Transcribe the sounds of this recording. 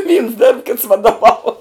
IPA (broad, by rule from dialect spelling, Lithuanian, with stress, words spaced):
ʋʲiːns dʲɛrp kʲɪts ʋɐdoːˈʋɐʊ